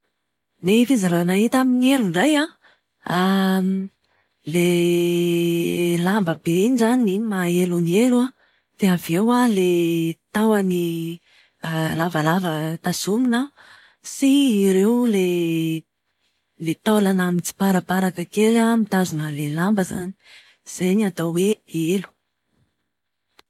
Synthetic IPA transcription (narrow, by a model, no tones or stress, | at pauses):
lefizaɾanaɦit̪aminieɾunɖ͡ʐaja | a | le | lambəbend͡ʒaninimaelunieɾua | feavewalet̪awani | lavalavət̪azuminə | siːɾewle | let̪olanamit͡si̥paɾapaɾakəkeɾamit̪azunəlelambəza̰ni̥ | z̥eɲiat̪aweelu̥